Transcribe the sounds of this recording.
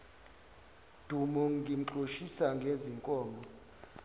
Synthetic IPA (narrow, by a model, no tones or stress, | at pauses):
d̥ʱumɔŋɡʱim̩ǃʱoʃisaŋɡʱeziŋkʼɔːmɔ